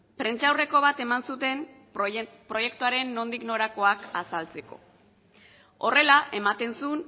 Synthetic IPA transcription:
pɾe̞nt͡ʃawre̞ko̞β̞at̪e̞mansut̪e̞n | pɾo̞je̞kt̪uaɾe̞nːo̞nd̪ikno̞ɾako̞akasalt͡se̞ko̞̰ | o̞re̞laʔe̞mat̪e̞nsun

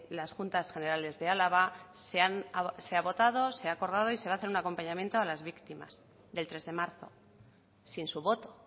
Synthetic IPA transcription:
lasxunt̪asxe̞ne̞ɾale̞zðe̞alaβ̞aseanaseaβo̞t̪að̞o̞se̞aːko̞ɾðað̞o̞ise̞βaθeɾunako̞mpaɲamje̞nt̪oalazβikt̪ima̰s | ðe̞lt̪ɾe̞zðe̞maɾθo̞̰ | sinsuβ̞o̞t̪o̞̥

